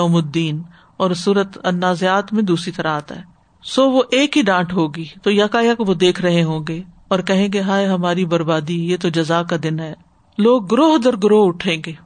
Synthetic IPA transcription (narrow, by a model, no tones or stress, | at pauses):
ɔːmʊd̪ːiːn | ɔːɾsuːɾət̪ɐnːaːzjaːt̪mẽd̪uːsɾit̪ɐɾaɦaːt̪a̰ɦɛː | soːʋoʔeːkɦiɖãːʈɦoːɡiːt̪oːjɐkaːjakoʋod̪eːkʰɾɐɦeɦõːɡeː | ɔːɾkɐɦẽːɡeɦaːeɦɐmaːɾibɐɾbaːd̪ijeːt̪od͡ʒɐzaːkad̪ɪnɦɛː | loːɡ̚ːʊɾoːɦd̪ɐɾɡʊɾoːɦʊʈʰẽːŋɡeː